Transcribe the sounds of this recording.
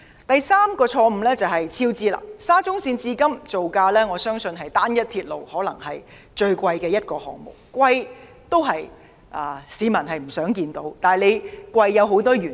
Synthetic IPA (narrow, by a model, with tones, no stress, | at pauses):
t̪ɐ˨jsaː˥mkɔː˧t͡ʃʰɔː˧m̩˧lɛː˥t͡sɐ˨˩wɦɐ˨jt͡sʰiː˥wt͡siː˥la̰ː˧˩saː˥t͡sʊ˥ŋsiː˧nt͡siː˧kɐ˥mt͡so˨wkaː˧lɛː˥ŋɔː˨˧sœː˥ŋsɵ˧nɦɐ˨jt̪aː˥njɐ˥t̚t̪ʰiː˧t̚lo˨whɔː˨˥lɐ̰˨˩ŋhɐ˨j | t͡ʃɵ˧ɥkʷɐ˧jkɛː˧jɐ˥t̚kɔː˧hɔ̰ː˨k̚mo̰˨˩wkʷwɐ˧j | t̪o˥wɦɐ˨j | ʔaː˨˩siː˨˧mɐ˨˩nɦɐ˨jm̩˨˩sœː˨˥ŋkiː˧nt̪o˨˥wt̪aː˨˩jle˨˧jkʷwɐ˧jːɐ˨˧wɦo˨˥wt̪ɔː˥jyː˨˩